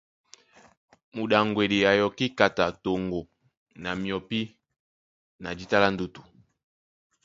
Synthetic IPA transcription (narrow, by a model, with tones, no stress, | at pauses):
mu˨ɗa˨ŋɡwe˨li˨a˨jɔ˨ki˦ka˨ta˨to˨ŋɡo˨ | na˨mjɔ˨pi˦ | na˨d͡ʒi˦ta˦la˦n˦du˨tu˨